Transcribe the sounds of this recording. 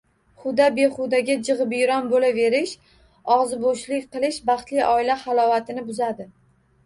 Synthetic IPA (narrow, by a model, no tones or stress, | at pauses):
χʊd̪abe̞χʊd̪aɡʲad͡ʒɨʁɨbjɾɒnbolave̞ɾɪʃ | ɒʁzɪboʃlɪkʲqɨlˠɪʃbɑχt̪lɪjʔɒɪlaχalˠɒvat̪ʰɪnɪbʊzad̪ɪ